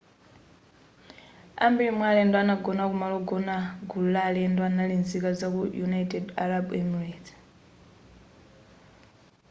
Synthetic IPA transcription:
a̰mbiimwalɛndɔanaɡɔnakumalɔɡɔnaɡulalɛndɔanalinzikazakujunajtʼɛdaɾabɛmiret

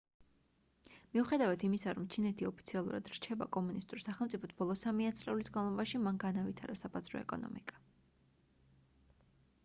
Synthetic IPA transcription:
miuχɛd̪avat̪ʰimisaɾɔmt͡ʃʰinɛt̪ʰiɔpʰi̥t̪sʰialˠṵɾa̰d̪̥ɾt͡ʃʰɛba̰kʼɔmunist̪ʼuɾsaχɛlˠmt̪sʼipʰɔt̪ʰb̥ɔlˠɔsamiat̪sʼlɛulisɡanlˠɔbaʃimanɡanavit̪ʰaɾasabazɾɔ̰ɛ̰kʼɔ̰nɔ̰mikʼḁ

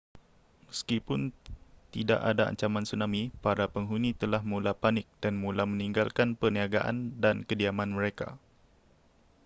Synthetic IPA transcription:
məskipʊnt̪ida̰ʔadaa̰ɲt͡ʃamãnsunãmĩpaɾapəŋɦunĩt̪əlahmũlapanɪk̚d̥anmũlamə̃niŋɡalkanpərniaɡaʔa̰ndankədiamãnmə̃ɾeka̰

